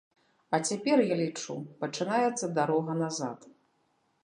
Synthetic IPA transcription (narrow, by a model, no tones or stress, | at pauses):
ɐt͡sʲapʲɛrjalʲit͡ʂupɐt͡ʂɨnajɛt̪sːɐd̪aɾɔɣɐnaza̰t̪